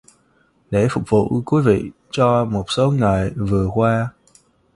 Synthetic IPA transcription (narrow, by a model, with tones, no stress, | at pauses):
ɗe˧˩fʊ˨˩k͡p̚vṵ˧˨kwi˨˦vḭ˧˨ | t͡ɕɔ˧mo˨˩t̚so˨˦ŋa˨˩jvɨ˨˩əkwaː˧